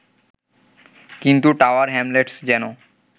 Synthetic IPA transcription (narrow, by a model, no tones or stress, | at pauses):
kint̪uʈawaɾɦɛmleʈsd͡ʑɛno